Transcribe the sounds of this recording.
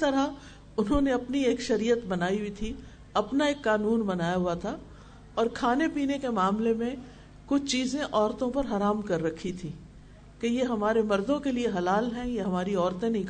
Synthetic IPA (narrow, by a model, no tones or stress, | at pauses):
t̪ɐɾa | ʊnɦõneɐpnieːkʃɐɾiːət̪bɐnaːiɦʊit̪ʰi | ɐpnaeːkːaːnuːnbɐnaːjaɦʊat̪ʰa | ɔːɾkʰaːnepiːnekemaːmlemẽ | kʊt͡ʃʰt͡ʃiːzẽʔɔːɾt̪õpɐɾɦɐɾaːmkɐɾːɐkʰːit̪ʰĩː | kejeɦɐmaːɾemɐɾd̪õkelieɦɐlaːlɦɛ̃jeɦɐmaːɾiɔːɾt̪ẽnɐĩk